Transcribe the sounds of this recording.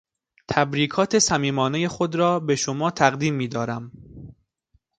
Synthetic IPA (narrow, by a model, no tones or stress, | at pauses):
t̪ʰæbɾiːkʰɒːt̪ʰe̞sæmiːmɒːneje̞xod̪ɾɒːbe̞ʃomɒːt̪ʰæɣd̪iːmːiːd̪ɒːɾæm